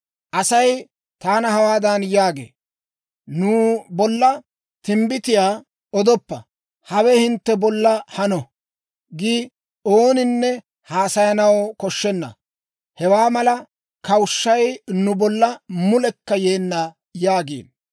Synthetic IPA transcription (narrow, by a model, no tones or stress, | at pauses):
ʔɐsɐj | t̪aːnɐhɐwaːd̪ɐnjaːɡḛː | nuːbɔlːɐ | t̪ɪmbɪt̪ɪjaː | ɔd̪ɔpːɐ̰ | hɐwɛhɪnt̪ːɛbɔlːɐhɐnɔ | ɡiː | oːnɪnːɛ | haːsɐjɐnɐwkɔʃːɛnːɐ̰ | hɛwaːmɐlɐ | kɐwʊʃːɐjnʊbɔlːɐmʊlɛkːɐjeːnːɐ | jaːɡḛːn